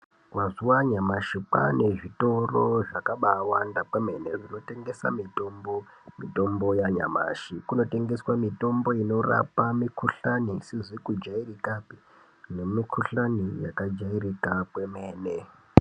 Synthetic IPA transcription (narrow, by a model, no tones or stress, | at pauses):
mazuwaɲamaʃipa̰ne̞ʐito̞ro̞ʐakaɓawandapemeneʐino̞te̞ŋɡe̞sa̰mito̞mbo | mito̞mbo̞jaɲa̰ma̰ʃikuno̞te̞ŋɡe̞swamito̞mbo̞ino̞ra̰pamikʰuɬanisiʐikud͡ʒairikapi | ne̞mikʰuɬanijakad͡ʒairikakwe̞me̞ːne